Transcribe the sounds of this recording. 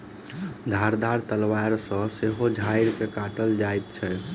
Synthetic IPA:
d̪ʱaɾd̪aɾt̪əlwaɾsə̃seɦod͡ʒʱaɪɾkekaʈəld͡ʒaet̪t͡ʃʰɛ

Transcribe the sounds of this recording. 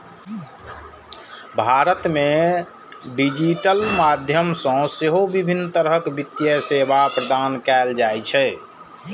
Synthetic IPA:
bʱaɾət̪me | ɖid͡ʒiʈəlmad̪ʱjəmsə̃seɦobibʱinːt̪əɾɦəkbit̪ːjəsebʱapɾəd̪ankɛld͡ʒajt͡ʃʰɛ

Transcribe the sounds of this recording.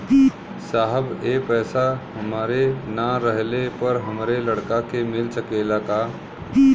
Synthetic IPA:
d̪i | saːɦəbepɛːsaɦəmaːɾenaɾəɦlepəɾɦəmɾeləɽkakemɪlsəkeːlaka | i

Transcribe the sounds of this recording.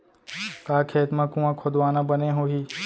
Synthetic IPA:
kaːkʰeːt̪mãːkũãːkʰod̪ʋaːnãːbənẽɦoːɦiː

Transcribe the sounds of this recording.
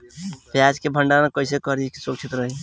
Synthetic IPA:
pjad͡ʒkebʱəɳɖanakəɪsekəɾiki̥sokt͡ʃʰit̪ɾəɦi

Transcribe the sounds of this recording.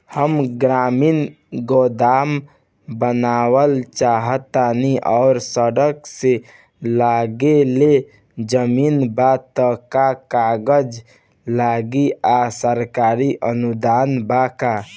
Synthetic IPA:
həmɡɾamin | ɡod̪aːm | bənaːwəlt͡ʃaɦət̪aniʔɔːʊɾsəɽəkse | laɡele | d͡ʒəmiːnbat̪əkakaɡəd͡ʒ | laɡiasəɾkaɾiʔənud̪aːnbaka

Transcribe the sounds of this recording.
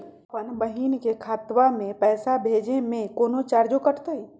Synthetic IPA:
pənbəɦiːnkekʰaːt̪wamẽpɛːsabʱeːd͡ʒemẽkoːnot͡ʃaːɾd͡ʒokəʈʰt̪aɦi

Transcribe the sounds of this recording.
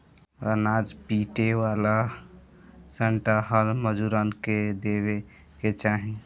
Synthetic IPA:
ənad͡ʒpiʈewala | səɳʈaɦəlməd͡ʒuɾənked̪eβe | ket͡ʃaɦĩ

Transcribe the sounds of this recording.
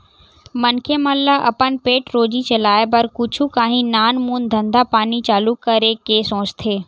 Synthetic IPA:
mɐnkʰemɐlːaʔɐ̰pənpeːʈɾoːd͡ʑit͡ɕɐlaːebɐɾkʊt͡ʃʰukaːɦĩnaːnmuːnd̪ʱɐ̃nd̪apaːnit͡ɕaːlukːɐɾekeːsõːt͡ʃt̪ʰeː

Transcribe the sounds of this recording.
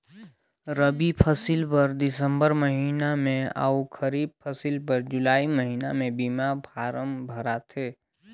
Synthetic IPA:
ɾəbipʰɐsilpɐɾd̪ɪsə̃mbəɾmɐɦiːnamẽa̰ːukʰəɾiːb̚pʰəsilpəɾd͡ʒʊlaːiməɦiːnamẽbiːmabʱaːɾəmbʱɐɾat̪ʰeː

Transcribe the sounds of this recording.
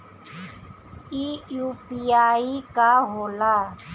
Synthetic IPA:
iːjuːpiːaːiːkaːɦoːlaː

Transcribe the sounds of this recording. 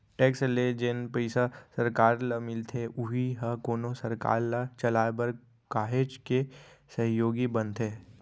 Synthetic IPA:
ʈeːksled͡ʒenpəɪsasɐɾkaːɾlamɪlt̪ʰeʊɦiɦɐkoːnosɐɾka̰ːɾlat͡ʃɐlaːbəɾ | kaːɦed͡ʒkesɐɦjoːɡibə̃nt̪ʰeː

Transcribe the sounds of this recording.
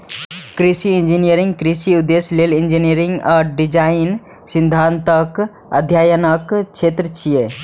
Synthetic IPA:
kɾisiind͡ʒinijəɾĩŋɡkɾisiud̪ːeslelind͡ʒinijəɾĩŋɡaːɾɖid͡ʒaɪn | sĩnd̪ʱant̪ək | əd̪ʱjaːjənəkt͡ʃʃʰeːt̪ɾət͡ʃije

